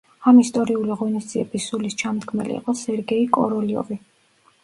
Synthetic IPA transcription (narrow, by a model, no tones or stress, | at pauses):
amist̪ʼɔɾiuliʁɔnisd̪ziɛbisːulist͡ʃʰamd̪ɡʰmɛ̰lḭːqʼɔsɛɾɡɛikʼɔ̰ɾɔliɔ̰vi